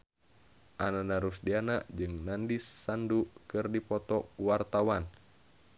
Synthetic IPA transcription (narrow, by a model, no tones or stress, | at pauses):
ʔananaɾusdianaʔd͡ʒɨŋnandisːandukɨrdipɔt̪ɔuwart̪awan